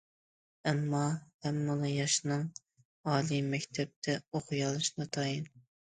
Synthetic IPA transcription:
ɛmːɑhæmːɨlˠɨjɑʃnɨŋ | ɑːlˠimɛkʲt̪ʰɛp̚t̪ʰɛoχʊjɑlˠɨʃnɨt̪ʰɑjin

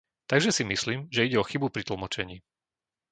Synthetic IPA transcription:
t̪aɡʒɛsimisliːmʒɛiɟɛɔxibupɾit̪l̩mɔt͡ʃɛɲiː

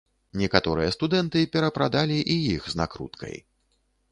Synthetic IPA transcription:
nʲɛkat̪ɔɾɨjɐst̪ud̪ɛnt̪ɨpʲɛɾɐpɾad̪alʲiʔijixzna̰kɾṵt̪kʰɐ̰j

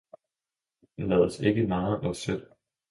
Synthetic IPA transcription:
lɛːð̞ˠəse̝ɡ̥əmɑ̈ːð̩ˠʔɒ̽sød̥

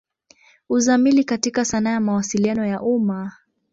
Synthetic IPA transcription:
uzamilikatikasanajamawasilianɔjaʔuma

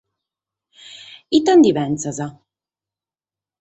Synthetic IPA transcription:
it̪ːand̪ivɛnt̪saza

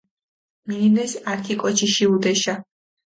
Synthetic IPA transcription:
milinɛsaɾt̪ʰikʼɔt͡ʃʰiʃiud̪ɛʃa

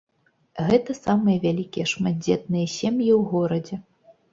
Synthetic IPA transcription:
ɣɛt̪ɐsamɨjɐvʲalʲikʲijɛʂmad̪̚ʲd͡zʲɛt̪̚nɨjɐsʲemjiwɣɔɾɐd͡zʲɛ

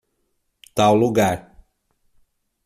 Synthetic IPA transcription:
t̪awluɡaɾ

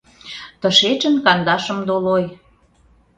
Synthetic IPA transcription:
t̪ə̆ʃet͡ʃə̆nkɑnd̪ɑʃə̆md̪oloj

